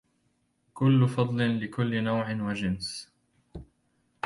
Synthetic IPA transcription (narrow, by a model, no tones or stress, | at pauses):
kʊlːʊfɑd̪ˤlɪnlɪkʊlːɪnawʕɪnwad͡ʒɪns